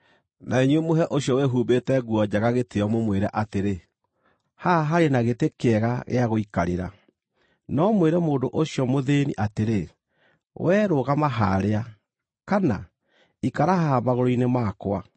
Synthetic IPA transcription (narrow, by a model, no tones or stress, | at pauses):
nʔaeɲwemoɦɛʔoɕjɔweɦubetɛɡuɔd͡ʑaɣaɣeteɔmomweɾɛʔateɾe | haɦaɾenaɣetekeɛɣaɣḛaɣoikaɾeɾa̰ | nɔmweɾɛmoːndoʔoɕjɔmoðenḭʔateɾe | wʔɛɾoɣamaɦaɾea | kana | ikaɾaɦaːbaɣoɾoinemaːkwa